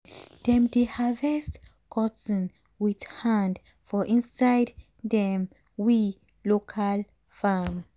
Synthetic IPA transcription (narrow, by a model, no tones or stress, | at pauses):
d̥ɛ̃mdehavɛst | kʰɔtə̃n | widhãnd | fɔʔĩnsajd | dɛ̃m | wi | lokʰal | fam